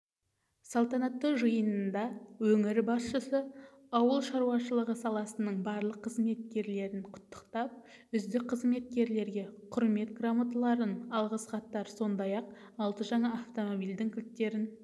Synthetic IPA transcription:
sɑlˠt̪ɑnɑt̪ːəʒəjənənd̪ɑwɵŋɪɾbɑsʃəsə | ɑwəlˠʃɑɾuwɑʃəlˠəʁəsɑlˠɑsənəɴbɑɾlˠəqʰːəzme̞t̪̚kʲe̞ɾle̞ɾɪnqʰʊ̥t̪ːə̥qt̪ɑp̚ | ʏzd̪ɪk̚qʰəzme̞t̪̚kʲe̞ɾle̞ɾɡʲe̞qʰʊɾme̞t̪ɡramat̪lˠɑɾənɑlˠʁəsqɑt̪ːɑɾso̞nd̪ɑjɑq̚ | ɑlˠt̪əʒɑɴɑːft̪o̞mobijld̪ɪŋkʲʰʏltt̪ːe̞ɾɪn

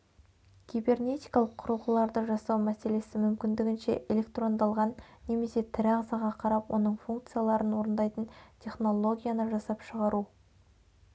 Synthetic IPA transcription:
ɡ̥ʲijbe̞rne̞t̪ʲijkɑlˠəqʰːʊɾəlˠʁəlˠɑɾd̪əʒɑsɑwmæse̞le̞sɪmʏmkʲɪnd̪ɪɡʲɪnʃe̞̰ʔelʲe̞kt̪ro̞nd̪ɑlˠʁɑnːe̞me̞se̞t̪ʰɪɾɑʁzɑʁɑqʰɑɾɑpwo̞nəɴfuŋkt̪sɨjalˠɑɾənwo̞ɾənd̪ɑjt̪əntʲʰe̞χno̞lˠo̞ɡʲijanəʒɑsɑpʃəʁɑɾu

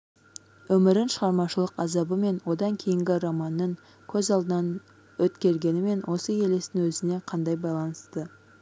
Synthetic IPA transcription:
wɵmɪɾɪnʃəʁɑɾmɑʃəlˠəqɑzɑbəme̞nwo̞d̪ɑŋkʲʰe̞jɪŋɡʲɪɾɑmɑnːəŋ | kʲʰɵzɑlˠd̪ənɑn | wɵt̪kʲe̞ɾɡʲe̞nɪme̞nwʔo̞səje̞lest̪ɪŋwɵzɪne̞qʰɑnd̪ɑjbɑjlˠɑnəst̪ə

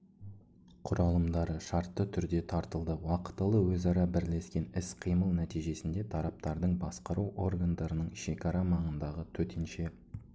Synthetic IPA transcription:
qʰʊɾɑlˠəmd̪ɑɾəʃɑɾt̪ːət̪ʰʏɾd̪e̞t̪ʰɑɾt̪əlˠd̪əwɑqə̥t̪ːəlˠəwɵzɑɾɑbɪɾle̞skʲe̞nɪsqʰijməlˠnæt̪ijʒe̞sɪnd̪e̞t̪ʰɑɾɑp̚t̪ɑɾd̪əɴbɑsqɑɾuwʔo̞rɡand̪ɑɾənəɴʃe̞kɑɾɑmɑɴənd̪ɑʁət̪ʰɵt̪ʰenʃe̞

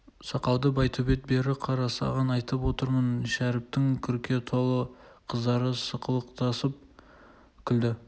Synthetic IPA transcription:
sɑqɑwd̪əbɑjt̪ʰobe̞t̪̚be̞ɾɪqʰɑɾɑsɑ̰ʁɑnɑjt̪əpwo̞t̪əɾmənʃæɾɪp̚t̪ɪŋkʲʰʏɾkʲe̞t̪ʰo̞lˠəqʰəzd̪ɑɾəsəqʰəlˠəqt̪ʰɑsəp̚ | kʲʰɪld̪ɪ

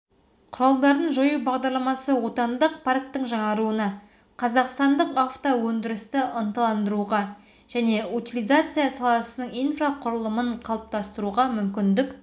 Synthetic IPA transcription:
qʰʊɾɑlˠd̪ɑɾd̪ənʒojubɑʁd̪ɑɾlˠɑmɑsəwo̞t̪ɑnd̪əq̚pʰark̚t̪əɴʒɑɴɑɾuənɑ | qʰɑzɑqst̪ɑnd̪əqaft̪owɵnd̪ɪɾɪst̪ɪʔənt̪əlˠɑnd̪əɾuʁɑ | ʒ̥æne̞ut̪ʲilʲˠijzat̪sɨjasɑlˠɑsənəɴijnfraqʰʊɾəlˠəməɴqʰɑlˠəp̚t̪ʰɑst̪əɾuʁɑmʏmkʲɪnd̪ɪk

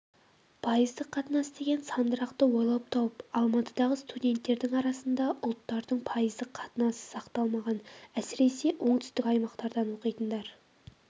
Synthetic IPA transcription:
pʰɑjəzd̪əqʰːɑt̪ənɑsəd̪e̞ɡʲe̞nsɑnd̪əɾɑqt̪əwojlˠɑp̚t̪ʰɑwəpɑlˠmɑt̪əd̪ɑʁəst̪ud̪ʲe̞nt̪ːe̞ɾd̪ɪŋɑɾɑsənd̪ɑʔʊlˠt̪ːɑɾd̪əɴpʰɑjəzd̪əqʰːɑt̪ənɑsə̥sɑqt̪ɑlˠmɑʁɑnæsɪɾe̞se̞ʔo̞ɴt̪ʰʏ̥st̪ɪkʲɑjmɑqt̪ɑɾd̪ɑnwo̞qijt̪ənd̪ɑɾ

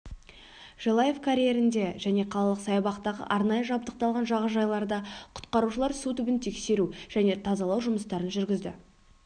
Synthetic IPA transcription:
ʒ̥elˠɑje̞fkʰaɾʲijeɾɪnd̪e̞ʒæne̞qʰɑlˠɑlˠəqsɑjɑbɑqt̪ɑʁə̰ʔɑɾnɑjəʒɑbd̪əq̚t̪ɑlˠʁɑnʒɑʁəʒɑjlˠɑɾd̪ɑqʰʊ̥t̪qɑɾuʃəlˠɑɾsut̪ʰʏbɪnt̪ʰe̞kse̞ɾuʒ̥æne̞t̪ʰɑzɑlˠɑwʒʊməst̪ɑɾənʒʏɾɡʲɪzd̪ɪ̰

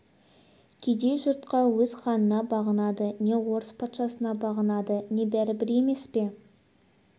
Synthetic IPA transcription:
kʲʰed̪e̞jʒʊɾt̪qɑwɵz̥χɑnənɑbɑʁənɑd̪əne̞wo̞ɾəspʰɑt̪ʃɑsənɑbɑʁənɑd̪əne̞bæɾɪbɪɾe̞me̞spe̞

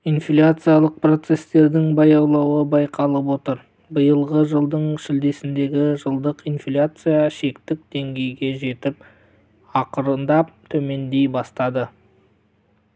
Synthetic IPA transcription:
inflʲat̪sɨjalˠəq̚pro̞t̪se̞st̪e̞ɾd̪ɪŋbɑjɑwlˠɑwəbɑjqʰɑlˠəp̬wo̞t̪əɾ | bəjəlˠʁəʒəlˠd̪əɴʃɪld̪e̞sɪnd̪e̞ɡʲɪʒəlˠd̪əqinflʲat̪sɨjaʃe̞kt̪ɪk̚d̪̥e̞ŋɡʲe̞jɡʲe̞ʒe̞t̪ɪp̚ | ɑqəɾənd̪ɑp̚t̪ʰɵme̞nd̪e̞jbɑst̪ɑd̪ə

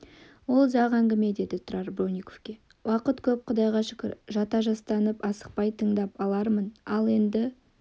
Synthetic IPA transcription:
wo̞lˠʒɑʁæŋɡʲɪme̞d̪e̞d̪ɪt̪ʰʊɾɑɾbɾonʲijkofkʲe̞ | wɑqət̪kʲʰɵp̚qʰʊd̪ɑjʁɑʃʏ̥kʲɪ̰ɾʒɑt̪ɑʒɑst̪ɑnəpɑsə̥q̚pɑjt̪ʰəɴd̪ɑpɑlˠɑɾmənɑlˠe̞nd̪ɪ

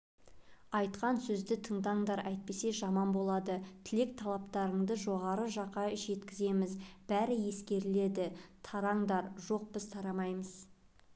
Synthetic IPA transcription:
ɑjt̪qɑnsɵzd̪ɪt̪ʰəɴd̪ɑɴd̪ɑɾæjt̪̚pe̞se̞ʒɑmɑnbo̞lˠɑd̪ət̪ʰɪle̞k̚t̪ʰɑlˠɑpt̪ɑɾəɴd̪əʒo̞ʁɑɾəʒɑqːɑʒe̞t̪kʲɪze̞mɪzb̥æɾɪje̞skʲe̞ɾɪle̞d̪ɪt̪ʰɑɾɑɴd̪ɑɾʒo̞q̚bɪzt̪ʰɑɾɑmɑjməz

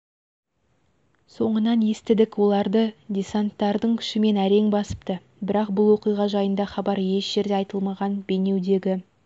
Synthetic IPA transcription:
so̞ɴənɑnje̞st̪ɪd̪ɪkwo̞lˠɑɾd̪ədʲesant̪ːɑɾd̪əɴkʲʰʏ̥ʃɪme̞næɾe̞ŋbɑsə̥pt̪ə | bɪɾɑq̚bʊlˠwo̞qijʁɑʒɑjənd̪ɑχɑbɑɾje̞ʃʒ̥e̞ɾd̪e̞ɑjt̪əlˠmɑʁɑnbe̞ne̞wd̪e̞ɡʲɪ

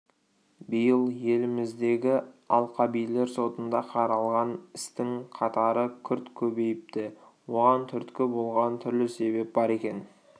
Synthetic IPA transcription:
bɪjəlˠje̞lɪmɪzd̪e̞ɡʲɪɑlˠqɑbijle̞ɾso̞t̪ənd̪ɑqʰɑɾɑlˠʁɑnɪst̪ɪŋqʰɑt̪ɑɾəkʲʰʏɾt̪kʲʰɵbe̞jɪp̚t̪ɪwo̞ʁɑnt̪ʰʏɾt̪kʲɪbo̞lˠʁɑnt̪ʰʏɾlɪse̞be̞p̚bɑɾe̞kʲe̞n

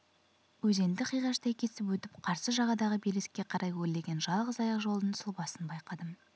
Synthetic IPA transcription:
wɵze̞nd̪ɪqʰijʁɑʃt̪ɑjkʲʰesɪpwɵt̪ɪpqʰɑɾsəʒɑʁɑd̪ɑʁəbelɪskʲːe̞qʰɑɾʔɑjwɵlːe̞ɡʲe̞nʒɑlˠʁəzɑjɑqʒo̞lˠd̪nənsʊlˠbɑsənbɑjqɑd̪əm

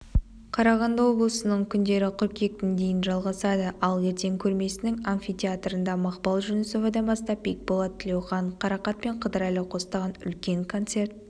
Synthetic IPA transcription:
qʰɑɾɑʁɑnd̪ɑwo̞blˠəsənəɴkʲʰʏnd̪e̞ɾɪqʰʊɾkʲe̞k̚t̪end̪e̞jɪnʒɑlˠʁɑsɑd̪əʔɑlˠe̞ɾt̪e̞ŋkʲʰɵɾme̞sɪnɪŋanfʲit̪ʲʰeat̪rənd̪ɑmɑqpɑlˠʒʏnɪso̞vɑd̪ɑnbɑst̪ɑpʲːijk̚bolˠɑt̪t̪ʰːɪlʲe̞wχɑɴqʰɑɾɑqɑt̪̚pe̞ɴqʰəd̪əɾɑjləqʰo̞st̪ɑʁɑnʏ̰lkʲe̞ŋkʰo̞nt̪se̞rt̪̚

